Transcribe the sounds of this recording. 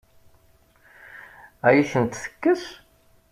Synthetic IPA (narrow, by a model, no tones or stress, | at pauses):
æjiçənt̪θə̥kːəs